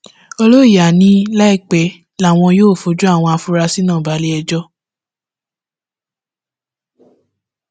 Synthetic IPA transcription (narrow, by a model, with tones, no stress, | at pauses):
o˧lo˦i˦˨ja˨nĩ˦la˦i˦˨k͡pɛ˨˦ | la˦˨w̃ɔ̃˧joː˦˨fo˨˦d͡ʒu˦a˦˨w̃ɔ̃˧a˧fu˦ɾa˧si˦nãː˦˨ba˨˦le˦ɛ˧d͡ʒɔ˦